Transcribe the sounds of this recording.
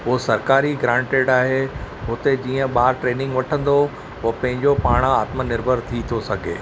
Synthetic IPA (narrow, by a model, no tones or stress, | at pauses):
ʊosɐɾkaːɾiɡɾãːɳʈeːɖaːɦe | ɦʊt̪ed͡ʑiːə̃ɓaːɾʈɾeːnɪ̃ŋɡʋɐʈʰə̃nd̪o | pɐ̃ɦɪ̃ɲd͡ʑopaːɽ̃aːt̪mənɪɾbʱəɾt̪ʰit̪ʰosɐɡʱḛː